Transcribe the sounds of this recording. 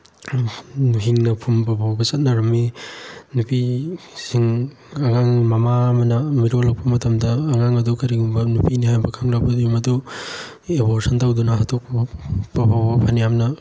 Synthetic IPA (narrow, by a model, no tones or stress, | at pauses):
nuɦiŋnɐpʰumbɐbʱawbɐsɐt̚nɐɾɐmːinupisiŋ | ɐŋaŋmɐmamɐnɐmiɾolɐk̚pɐmɐtɐmdɐːŋaŋɐdukɐɾiɡumbɐnupʰinihajbɐkʰaŋɾabɐdumɐdu | ebosɐntawdunɐɦatʰok̚pɐbpɐbawbɐpʰanijamnɐ